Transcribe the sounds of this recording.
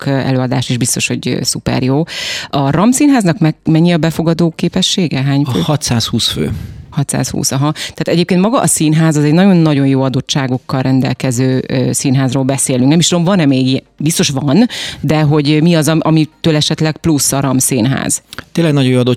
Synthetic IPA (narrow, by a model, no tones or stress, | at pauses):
kɛ̰løːɒd̪aːʃiːʒbist̪o̞ʃho̞̰ɟsupɛ̰rjoːɒɾɒmsiːnɦaːznɒkmɛmɛɲːiɒbɛfo̞ɡɒd̪oːkeːpɛʃːeːɡɛɦaːɲøhɒt̪saːshuːsfø̰ːhɒt̪sa̰ːshṵːsɒɦɒt̪aːt̪ɛɟeːp̚kenmɒɡɒʔːsiːnɦaːzɒzɛɟnɒɟo̞nːɒɟo̞njoːɒd̪o̞tt͡ʃːaːɡo̞kːɒlrɛnd̪ɛ̰lkɛzøːsiːnɦaːzroːlbɛseːlyŋknɛmiʃt̪ulomvɒnɛmeːɡiɛbist̪o̞ʃʋɒnd̪ɛɦo̞ɟmiɒzɒʔɒmit̪øːlɛʃɛt̪lɛkplusːɒɾɒmsiːnɦa̰ːz̥t̪eːlɛɡnɒjojoːɒd̪o